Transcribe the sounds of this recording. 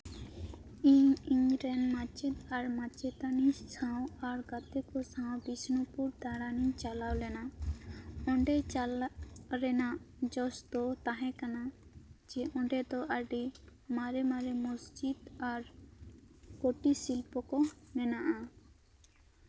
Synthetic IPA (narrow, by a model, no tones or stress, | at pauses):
iiŋɾɛnmat͡ʃed̪aɾmat͡ʃet̪anisʰãw̃aɾɡat̪ekosãwbisnopuɾd̪aɾanit͡ʃalawlɛna | ɔɳɖealɾɛna | d͡ʒɔst̪ot̪aɦɛ̃kanad͡ʒeʔɔ̃ɳɖet̪ɔʔaɖimaɾemaɾemosd͡ʒid̪aɾ | koʈisilpɔkɔnɛnaʔa